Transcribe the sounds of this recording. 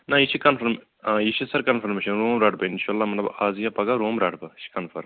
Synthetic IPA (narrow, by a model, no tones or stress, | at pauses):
nɐit͡ʃʰikɐnfʰɐɾm | jit͡ʃʰisɐɾkɐnfʰɐɾmeːʃɐnɾoːmɾaːʈbɐinʃaɐlːaːmɐlɐbaːzijapɐɡaɾoːmɾaːʈbɐt͡ʃʰi̥kɐnfʰɐɾm